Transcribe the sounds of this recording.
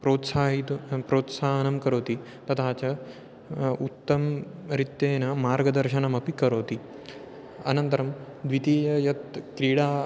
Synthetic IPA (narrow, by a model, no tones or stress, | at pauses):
pɾoːt̪saːɦit̪upɾoːt̪saːɦɐnɐmkɐɾoːt̪i | t̪ɐt̪ʰaːt͡ɕɐ | ut̪ːɐmɾit̪jeːnɐmaːɾɡɐd̪ɐɾʃɐnɐmɐpikɐɾoːt̪i | ɐ̰nɐnt̪ɐɾɐm | d̪ʋit̪iːjɐjɐt̪kɾiːɽaː